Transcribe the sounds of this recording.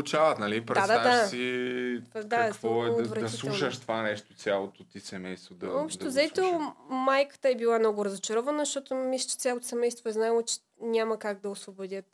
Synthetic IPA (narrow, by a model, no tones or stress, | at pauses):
t͡ʃavɐt̪nɐlipɾɛdad̪ad̪aʃsi | d̪aavɔɛːvɾɛd̪ɐsilˠɛuʃəʃt̪ovanɛʃt̪osʲjalˠot̪ot̪isɛmɛjst̪vod̪ɐvɔpʃt̪t̪ozɐɛt̪omajkə̥t̪əɛbilˠanɔɡʊɾəzɐt͡ʃɐɾɔvɐnəzɐʃt̪ɔt̪ʊmislʲə̥t͡ʃɛ̥t̪sʲalˠot̪o̥sɛmɛjst̪voɛznaɛlˠot͡ʃɛ̥ | nʲaməkaɡ̚d̪ɐosvobod̪ʲət̪